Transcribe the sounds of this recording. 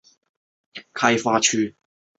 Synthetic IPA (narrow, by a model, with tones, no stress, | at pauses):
jɐ˥kkʰːɐ˧jfaː˧t͡ʃʰyː˧